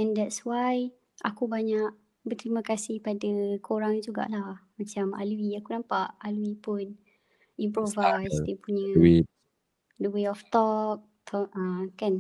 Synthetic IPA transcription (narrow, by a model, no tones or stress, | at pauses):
ɛndɛtswaj | ʔa̰kubaɲaʔ | bərt̪əɾimãkasɪhpadakʰoɾaŋd͡ʒuɡa̰ʔlahmat͡ʃama̰luiakunãmpaʔaluipʊn | impɾovajsdiəpuɲə̃i | dəweɔft̪ɔp̚ | t̪ʰɔãkan